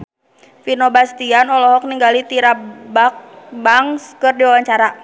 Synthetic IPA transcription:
finɔbast̪ianɔlɔɦɔk̚niŋɡalit̪iɾabak̚baŋskɨrdiwawaɲt͡ʃaɾa

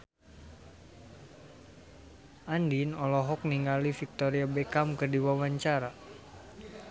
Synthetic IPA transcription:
ʔandinɔlɔɦɔk̚niŋɡalifik̚t̪oɾiabɛkamkərdiwawaɲt͡ʃaɾa

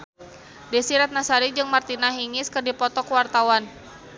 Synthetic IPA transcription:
desiɾat̪̚nasaɾid͡ʒɨŋmart̪inaɦiŋɪskɨrdipɔt̪ɔkwart̪awan

